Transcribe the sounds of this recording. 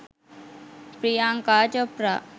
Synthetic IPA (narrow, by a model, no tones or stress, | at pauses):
pɾijaŋkaːt͡ʃopɾa